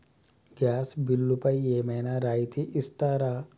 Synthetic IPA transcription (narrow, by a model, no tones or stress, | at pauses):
ɡjaːsbɪlːupɐijeːmenaɾaːit̪ʰiʔɪst̪aɾa